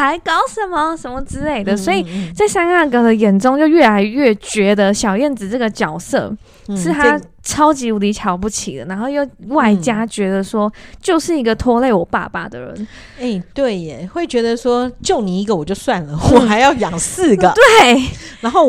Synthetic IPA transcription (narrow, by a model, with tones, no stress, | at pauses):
xa˧˥ɪkɑ˥ʊʂə˨˥˦nmə˨ʂə˧˥nmə˨ʈ͡ʂɻ̩˥˧le˥˩ɪd̪ə˩swɔ˧˥i˨˩t͡sa˥˩ɪsa˥na˥˩kə˨˩d̪ə˧˦jɛ˨˩nʈ͡ʂʊ˥ŋt͡ɕjo˥˧ʊɥɛ˥˩la˧˥ɪɥɛ˥˩t͡ɕɥɛ˧˥d̪ə˧ɕjɑ˨˩ʊjɛ˥˩nd͡zɻ̩˨˩ʈ͡ʂɤ˥˩ɡə˩t͡ɕjɑ˨˩ʊsɤ̰˥˧˩ | ʂɻ̩˥˩t̪ʰa˦ | ʈ͡ʂʰɑ˥ʊt͡ɕi˧˥u˨˥li˧˥t͡ɕʰjɑ˨˧˥ʊpu˥˩t͡ɕʰḭ˨˩d̪ə̰˦na˧˥nxo˥˧jo˥˧ʊwa˥˩ɪt͡ɕja˥t͡ɕɥɛ˧˥d̪ə˨ʂwɔ˥t͡ɕjo˥˧ʊʂɻ̩˥˩i˧˥ɡə˨t̪ʰwɔ˥le˥˩ɪwɔ˨˩pa̰˥˧pa̰˥˩d̪ə̰˩ɻə̰˧˦n | e˥˩ɪt̪we˥˩ɪ˨˩xwe˥˩ɪt͡ɕɥɛ˧˥d̪ə˧ʂwɔ˥t͡ɕjo˥˨˩ʊni˨˩i˧˥ɡə˨wɔ˨˩t͡ɕjo˥˧ʊswa˥˨˩nlə˩wɔ˨xa˧˥ɪjɑ˥˩ʊjɑ˨˩ŋs̩˥˩ɡə˩t̪we˥˩ɪna˧˥nxo˥˩